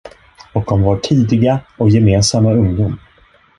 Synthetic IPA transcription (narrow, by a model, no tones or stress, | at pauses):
ɔk̚d̪ɔmvaʈʰiːd̪ɪɡaɔkjɛmeːnsamːaɵŋd̪ʊm